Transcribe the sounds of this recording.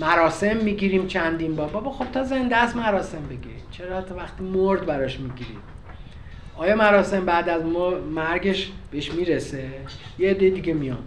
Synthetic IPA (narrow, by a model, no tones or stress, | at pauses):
mæɾɒːse̞mːiːɟiːɾiːmt͡ʃʰænd̪inbɒːɾbɒbɒːxo̞b̥t̪ʰɒːze̞nd̪eæst̪mæɾɒːse̞mbe̞ɡiɾimt͡ʃʰeɾɒt̪ʰɒvæχt̪iːmoɾd̪bæɾɒʃmiːɟiːɾḭm | ʔɒːjɒːmæɾɒːse̞mbæːd̪æzmmæɾɟe̞ʃb̥eeʃmiɾesejeeːd̪ːe̞jid̪iɡemijɒm